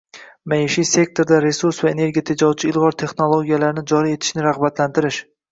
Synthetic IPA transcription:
majɪʃijse̞k̚t̪ʰo̞ɾd̪aɾe̞suɾsvaene̞ɾɡʲijat̪ʰed͡ʒɒwt͡ʃʰɪɪlˠʁɒɾt̪ʰe̞χnolˠoɡʲijalaɾɪnɪd͡ʒɒɾie̞t̪ʰɪ̥ʃnɪɾaʁbat̪lant̪ʰɪɾɪʃ

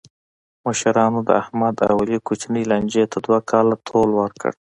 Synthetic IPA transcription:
maʃaɾɑnod̪ə̰ahmad̪a̰walikut͡ʃnilanʲd͡ʒet̪ʰad̪wakʰɑlat̪ʰolwəɾkə̰ɽ

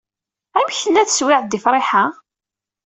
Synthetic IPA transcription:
æmçəlːæθswɪʕθd̪ɪfɾˤeħa

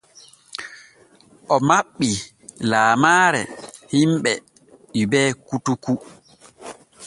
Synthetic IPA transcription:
ʔɔmaɓːi | laːmaːɾɛhimɓɛ | ɓibɛːkutuku

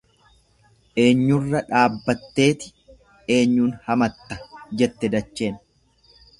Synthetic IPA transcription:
ʔe̞ːɲːʊrːɐᶑaːbːɐt̪ːe̞ːt̪ɪ̥ | e̞ːɲːuːnhɐmɐt̪ːɐ̥d͡ʒɛt̪ːɛd̪ɐt͡ʃːe̞ːn

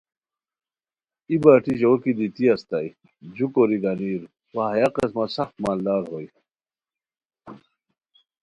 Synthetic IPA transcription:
ibaːʈiʑokid̪it̪iɐst̪aj | d͡ʑukoɾiɡɐniːɾ | waɦɐjaqesmasɐxt̪maːld̪aːɾhoj

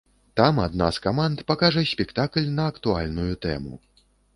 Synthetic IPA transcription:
t̪amad̪na̰skamant̪pakaʐɐsʲpʲɛkt̪aklʲnɐːkt̪ualʲnujut̪ɛ̰mṵ

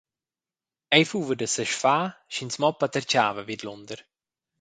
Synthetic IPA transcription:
ɛjfuːvədəsəʃfaːʃinsmɔpːat̪əɾt͡ʃaːvəvid̪lʊnd̪əɾ

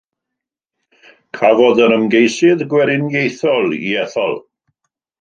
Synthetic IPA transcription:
kʰavɔðəɾəmɡejsɪðɡwɛɾɪnjejθɔlˠḭɛθɔ̰lˠ

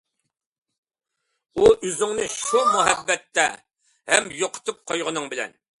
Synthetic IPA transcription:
uʔizɨŋnɨʃumuɦɛbːɛt̪ːɛ | hɛmjoqʰə̥t̪ʰɨp̚qʰojʁənɨŋbɪlɛ̰n

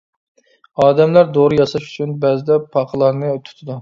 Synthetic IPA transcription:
ɑːd̪ɛmlæɾd̪oɾɨjɑsɑʃy̥t͡ʃʰynbɛzɪd̪ɛpʰɑqʰəlˠɑɾnɨt̪ʰʊ̥t̪ʰɨd̪u

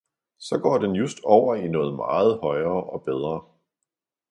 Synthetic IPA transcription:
sɒ̽ɡ̥ɒ̰ːd̥enjusd̥ɒʊ̰ɐinɔ̽ːð̞̩ˠmɑ̈ːð̞̩ˠhɒ̽ɪɐːʔɒ̽b̥eð̞ˠʁɐː

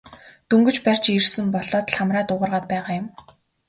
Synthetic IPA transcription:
t̪ɵŋɡɵ̆t͡ɕpær̥ʲt͡ɕirsɘ̆mpɔɮɔːt̪ɮχamraːt̪ʊʁə̆rʁaːt̪̚pæːʁaːjʊ̆m

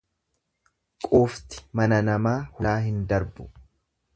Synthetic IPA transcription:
kʼuːft̪ɪ̥mɐnɐnɐmaːhʊaːhɪnd̪ɐɾbʊ̥

